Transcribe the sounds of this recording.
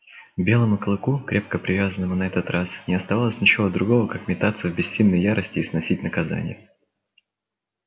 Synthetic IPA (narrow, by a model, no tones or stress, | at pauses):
bʲe̞lˠəmʊkəlˠɨkukɾʲʔe̞p̚kəpɾʲɪvʲazənːəvənɐɛt̪ət̪ɾasnʲɪɐst̪ɐvalˠəsʲnʲɪt͡ɕɪvod̪ɾʊɡo̞vəkakmʲɪt̪at̪səvbʲɪsʲsʲinʲnːəjjaɾʔəsʲtʲɪːsnɐsʲit̚ʲnəkɐza̰nʲɪ̰jə